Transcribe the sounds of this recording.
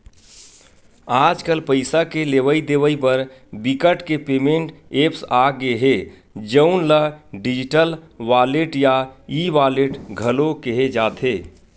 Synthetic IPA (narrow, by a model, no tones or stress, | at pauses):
aːd͡ʒkəlpəɪsakeleʋəid̪eʋəibəɾbikəʈkepeːmẽɳʈeːpsaɡeɦe | d͡ʒəʊnləɖɪd͡ʒiʈəl | ʋaːleʈjaiʋaːleʈɡʱəlokeɦed͡ʒaːt̪ʰɦeː